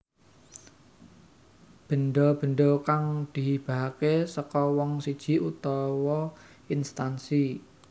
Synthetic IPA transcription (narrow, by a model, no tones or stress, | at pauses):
b̥ə̤nɖɔb̥ə̤ɳɖɔkaŋd̪̥i̤ɦib̥a̤ɦakesɔkɔwɔŋsid̥ʒ̥i̤ut̪ɔwɔ | inst̪ansi